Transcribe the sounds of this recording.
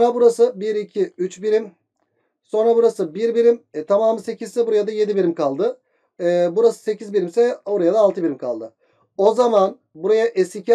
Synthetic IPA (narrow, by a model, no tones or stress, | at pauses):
ɾabuɾasɯbiɾicʰiyt͡ʃbiɾim | so̞nɾabuɾasɯbiɾbiɾimt̪ʰamaːmɯse̞cizsɛbuɾajad̪aje̞d̪ibiɾʲimkʰalˠd̪ɯː | buɾasɯ̥se̞cʰizbiɾimsɛoɾajad̪aːlˠt̪ɯbiɾimkʰa̰lˠd̪ɯ | o̞zaman | buɾajaʔesicʰa